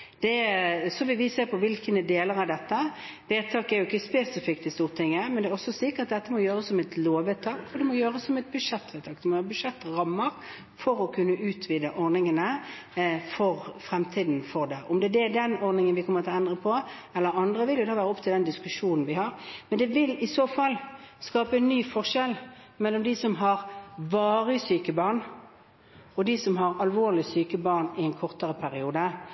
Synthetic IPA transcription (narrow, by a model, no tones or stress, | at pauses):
d̪̥ɛsɔʋɪlʋɪseːpʰɔʋɪlkənəd̪eːləɾɑd̪ɛt̪ːə | ʋeːt̪ʰɑːkɛɾjʊɪkːəspeːsɪfɪkt̪ɪst̪uːʁt̪ʰɪŋːəmɛnd̪ɛːɔsːɔsɪkːəʁɑt̪̚d̪ɛt̪ːəmɔjøːɾəsːɔmɛt̪loːʋeːt̪ʰɑːkfɔd̪ɛmɔjøːɾəsːɔmɛt̪̚bʉʂɛt̪ːʋeːt̪ʰɑːk̚d̪ɛmɔjøːʁəbʉʂɛt̪ːʁɑmːəʁ | fɔɾɔkʰʉnːəʔʉːt̪ʰʋiːd̪əʔɔɾnɪŋənə | fɔʁfɾɛmt̪ʰiːd̪n̩fɔʁd̪ɛʔɔmd̪ɛd̪ɛd̪ɛnɔʁnɪŋənʋɪkʰɔmːəʁt̪ʰɪlɛnd̪ʁəpʰɔ | ɛlːəɾɑnd̪ʁəʋɪljʊd̪ɑːʋæːʁəɔp̚ːt̪ʰɪld̪ɛnd̪ɪskʉʂuːnn̩ʋɪhɑʁmɛnd̪ɛʋɪlɪsoːfɑl | skɑːpənːyːfɔʁʂɛl | mɛlːɔmd̪ɪsɔmɦɑʁʋɑːʁəsyːkəbɑːʁn | ɔd̪ɪsɔmɦɑʁɑlʋoːʁlɪsyːkəbɑːʁnɪɛnkʰɔʁt̪əʁəpʰæʁɪuːd̪ə